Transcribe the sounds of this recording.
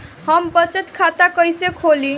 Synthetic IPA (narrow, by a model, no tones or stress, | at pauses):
həmbət͡ʃət̪kʰat̪akəjsekʰoli